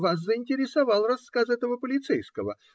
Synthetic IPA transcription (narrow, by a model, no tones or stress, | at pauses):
vas̬zəɪnʲtʲɪɾʲɪsɐvɑlˠrɐskasɛt̪əvəpəlʲɪt̪sɛjskəvə̰